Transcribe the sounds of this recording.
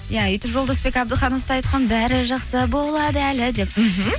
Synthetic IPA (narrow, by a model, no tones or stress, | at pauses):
jaʏjt̪ɪpʒolˠd̪ɑsbe̞kʲɑbd̪əχɑno̞ft̪ɑɑjt̪̚qɑnbæɾɪʒɑqsəbo̞lˠɑd̪əælɪd̪e̞pm̩ɦm̩